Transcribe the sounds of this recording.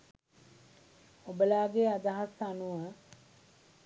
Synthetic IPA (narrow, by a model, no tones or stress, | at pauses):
obəlaːɡead̪aɦasanuə